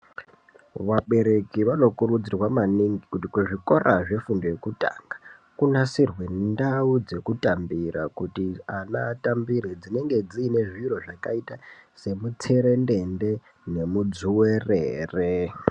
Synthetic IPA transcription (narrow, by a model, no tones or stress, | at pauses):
ʋaɓe̞ɾe̞kiʋano̞kuɾud͡zirwamaniŋɡikutikuʐiko̞rʔaʐe̞fundo̞je̞kuta̰ŋɡḁ | kunasirwe̞ndaud͡ze̞kutambiɾakutianaːtambiɾed͡zine̞ŋɡe̞d͡ziːne̞ʐiro̞ʐakaitase̞mut͡se̞ɾe̞ndende̞ | ne̞mud͡zuwereːre